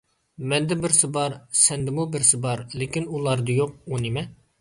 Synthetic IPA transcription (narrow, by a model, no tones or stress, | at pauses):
mɛnd̪ɪbɪɾsɪbɑɾsɛnd̪ɪmubɪɾsɪbɑɾlekʲinulˠɑɾd̪ɨjoq̚unɪmɛ